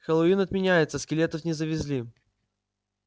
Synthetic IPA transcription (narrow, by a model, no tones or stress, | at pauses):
xəlˠɐinɐt̪mʲɪnʲæjɪt̪səskʲɪlʲet̪əfnʲɪzəvʲɪzʲlʲi